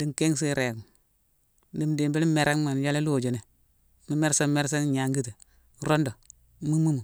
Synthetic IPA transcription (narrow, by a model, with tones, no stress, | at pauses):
di˨ŋ˨ke˦ŋsi˦ɾe˨ɡu˨ | di˨mdi˨mbi˦li˦me˨ɾa˦ŋ˦ma˨n˨d͡ʒa˦le˦loː˦˨d͡ʒo˨ne˨˦ | mi˦me˦ɾsa˦me˦ɾsa˦n˦ɲa˨ŋɡi˦ti˨ | ɾo˦ndo˨˦ | mu˦mu˦mu˨